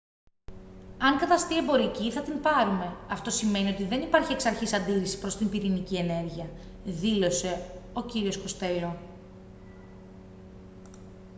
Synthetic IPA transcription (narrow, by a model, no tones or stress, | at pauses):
ɐŋkɐt̪ɐst̪ie̞mbo̞ɾiciθɐt̪inpɐɾume̞ɐft̪o̞sime̞nio̞t̪iðe̞nipɐɾçieksɐɾçisɐnd̪iɾisi̥pɾo̞st̪impiɾinicie̞ne̞ɾʝiɐ | ðilo̞se̞o̞ciɾio̞sko̞st̪e̞lo